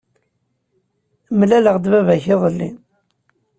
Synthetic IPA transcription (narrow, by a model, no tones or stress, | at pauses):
mlæləʁd̪vævæçɪðˤəlːḭ